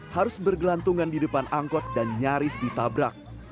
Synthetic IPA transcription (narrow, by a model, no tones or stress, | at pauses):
haɾʊsbərɡəlant̪uŋandidəpanʔaŋkɔt̪̚danɲaɾɪsdit̪abɾak̚